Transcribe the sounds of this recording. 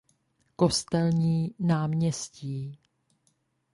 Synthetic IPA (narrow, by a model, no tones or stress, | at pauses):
ko̞st̪ɛlɲiːnaːmɲɛsciː